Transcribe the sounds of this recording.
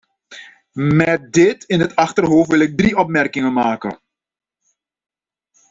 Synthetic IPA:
mɛt̚dɪtɪnɦətɑχtərɦoːfʋɪlɪɡ̚dɾiʔɔp̚mɛrkɪŋənmaːkə̰

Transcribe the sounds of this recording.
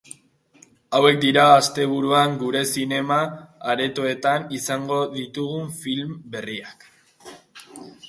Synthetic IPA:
awe̞k̚d̪iɾaːst̪e̞β̞uɾuaŋɡuɾe̞sine̞maːɾe̞t̪oe̞t̪anisaŋɡo̞ðit̪uɣ̞uɱfilmbe̞riak

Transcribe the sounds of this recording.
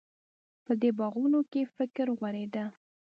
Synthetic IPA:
pəd̪ebɑɣunokefɪkɾɣwaɾed̪a

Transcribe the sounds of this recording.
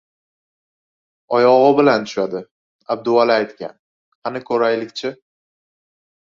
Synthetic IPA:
ɒjɒʁɨbɪlant̪ʰʊ̥ʃad̪ɪ | ab̚d̪ʊwalaajt̪kʲa̰n | hanɪkʰɵɾajlɪkʲt͡ʃʰɪ

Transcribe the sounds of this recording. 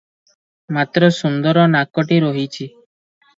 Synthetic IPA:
mat̪ɾɔsund̪ɔɾɔnakɔʈiɾɔɦit͡ʃʰi

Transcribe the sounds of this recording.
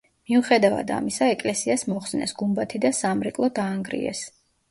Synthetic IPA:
miuχɛd̪ava̰d̪a̰misaɛkʼlɛsiasmɔχsnɛ̰sɡumbat̪ʰid̪asamɾɛkʼlˠɔd̪aːŋɡɾḭɛ̰s

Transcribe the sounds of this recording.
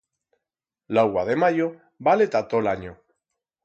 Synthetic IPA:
lawaðemajo | balet̪at̪olaɲo

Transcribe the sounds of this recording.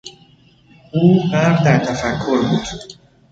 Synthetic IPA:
ʔuːbæɾɾd̪æɾt̪ʰæfækʰːo̞ɾbuːd̪̥

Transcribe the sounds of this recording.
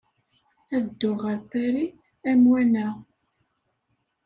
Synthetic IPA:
æðəd̪ːʊʁəɾpæɾi | æmwænæ

